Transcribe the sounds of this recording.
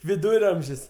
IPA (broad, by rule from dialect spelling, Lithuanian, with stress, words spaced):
ʋʲɪˈduːrɐmʲʒʲɪs